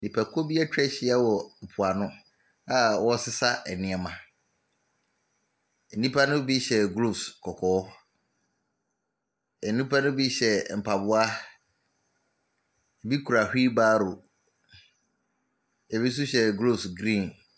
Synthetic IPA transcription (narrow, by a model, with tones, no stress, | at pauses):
nĩ˨pʰæ˨kʰo˦bi˦a˦t͡ɕᶣɛ˦ɕɪ˨˦a˦wɔ˨m̩˨pʰʊ˨a˨nʊ̃˦ | a˦wɔ˦sɪ˦sa˦ɛ˨nɪ̃˦ɛ˨mã˨ | nĩ˦pʰa˦nʊ̃˦bi˦ɕɛ˨ɡɾo˦˨skʰɔ˨kʰɔː˨˦ | ɛ˨nnːĩ˦pʰa˦nʊ̃˦bi˦ɕɛ˨m̩˨pʰa˨bʊ˦a˦ | ɛ˨bi˦kʰu˨ɾa˨hᶣi˦baː˦ɾo˨ | ɛ˨bi˦s̬u˦ɕɛ˨ɡɾo˦˨sɡɾĩ˦˨n